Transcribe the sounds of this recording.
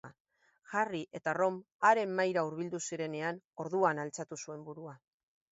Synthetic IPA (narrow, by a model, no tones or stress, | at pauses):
ʝariʔe̞t̪aro̞m | aɾe̞mːajɾauɾβ̞ild̪usiɾe̞ne̞an | o̞ɾðuanalt͡sat̪usue̞mbuɾua